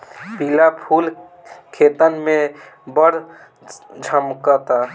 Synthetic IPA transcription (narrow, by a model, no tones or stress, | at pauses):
pilapʰul | kʰet̪ənme | bəɽ | d͡ʒʱəmkət̪a